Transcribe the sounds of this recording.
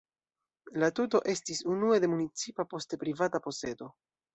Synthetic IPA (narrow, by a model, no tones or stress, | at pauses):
latuto̞ʔe̞stisunue̞de̞munit͡sipapo̞stepɾivatapo̞se̞do̞